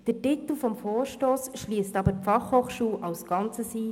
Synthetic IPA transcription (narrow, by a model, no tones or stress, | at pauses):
d̥ətit̪l̩fɔmfoːɾʃtoːsʃliəstɑbəfɑχhoχʃuːʔɑʊsɡ̥ɑnt͡səsiː